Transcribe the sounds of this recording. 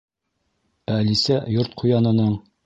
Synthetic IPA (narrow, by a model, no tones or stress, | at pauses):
ælisæjoɾt̪̚qʰujɑnɤ̆nɤɴ